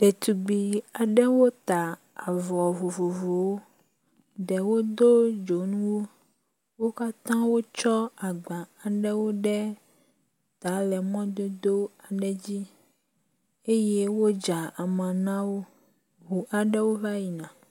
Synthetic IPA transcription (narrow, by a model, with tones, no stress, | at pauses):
ɖ̥ɛ˨t̪u˨ɡ͡bi˨a˨ɖɛ˦wo˦t̪a˨ | a˨vɔ˨vo˨vo˨vo˨wo˦ | ɖɛ˨wo˦d̪o˦d͡ʒo˨nũ˦wo˦ | wo˦ka˦t̪ã˦wo˦t͡ʃɔ˦a˨ɡ͡bã˨a˨ɖɛ˦wo˦ɖɛ˦ | t̪a˨˦lɛ˨mɔ̃˦d̪o˦d̪o˦a˨ɖɛ˦d͡ʑi˦ | e˦je˦wo˦d͡ʒa˨a˨mã˨nã˦wo˦ | ɦu˨ʔa˨ɖɛ˦wo˦va˦ji˨nã˨